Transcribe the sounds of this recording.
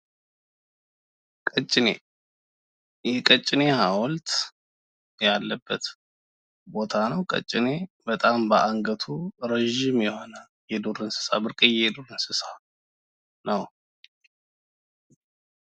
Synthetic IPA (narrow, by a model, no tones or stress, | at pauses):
kʼət͡ʃʼːɪnḛ | jɛkʼət͡ʃʼːɪne̞hawɔlt̪ | jalːəbːət̪ | bo̞t̪ʰanəwkʼə̰t͡ʃʼːɪne̞bət̪ʼambəʔaŋɡət̪ʰuɾəʒɪmjɛho̞nə | jɛd̪oɾɨnsɨ̥sa̰bɨɾkʼijɛd̪oɾɨnsɨsa | nəw